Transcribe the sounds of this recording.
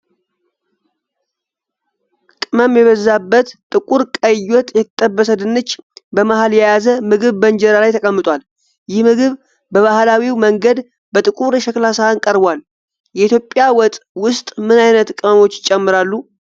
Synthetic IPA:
kʼɨməmjɛβəzːabːət̪t̪ʼɨkʼuɾkʼəjɔt̪ʼjɛt̪ʼːəbːəsəd̪ɨnːɨt͡ʃːbəmahaljɛjazəmɨɡɨβbənd͡ʒɛɾalajt̪ʰəkʼəmːɨt̪ʼwal | jɪhmɨɡɨβ | bəβahlawiwməŋɡəd̪ | bət̪ʼɨkʼuɾʃɛklasaankʼəɾbwal | jɛit̪jo̞pʼːjawɔt̪ʼwʊst̪ʼmɨnajnət̪kʼɨməmo̞t͡ʃːɪt͡ʃʼɛmːɨɾalːu

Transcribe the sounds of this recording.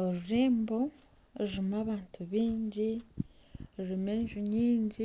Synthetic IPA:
oɾuɾiːmbo | iɾimaβaːntʰuβiːɲɟi | ɾɾimeːɲʒuɲiːɲɟi

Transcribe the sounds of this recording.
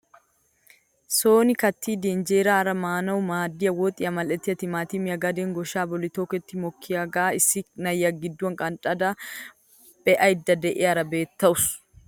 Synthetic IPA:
so̞ːnɪkɐt̪ʰːiːd̪end͡ʒeːɾaːɾɐmaːnɐwʊmaːd̪ːɪjɐwɔt̪ʼɪjɐmɐlʔɛt̪ːɪjɐt̪ɪmaːt̪ɪmɪjɐɡɐd̪eːŋɡɔʃaːbɔlɪt̪oːkɛt̪ːɪmɔkʰːɪjaɡaːɪsːɪnɐjːɐɡɪd̪ːwɐŋkʼɐnt̪ʼɐd̪ɐ | b̥ɛʔɐɪd̪ːɐd̪ɛʔɪjɐɾɐbe̞ːt̪ːɐʊs

